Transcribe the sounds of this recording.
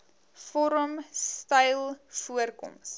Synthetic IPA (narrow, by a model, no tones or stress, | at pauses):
fɔɾəmstɐjlˠfuərkɔ̰ms